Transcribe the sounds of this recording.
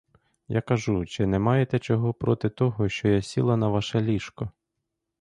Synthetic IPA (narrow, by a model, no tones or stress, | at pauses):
ja̰kɐʒut͡ʃɪnɛmɑjet̪ɛt͡ʃɔɦɔpɾɔt̪ɪt̪ɔɦɔʃt͡ʃɔjasʲilˠɐnɐʋɑʃɛlʲiʃkɔ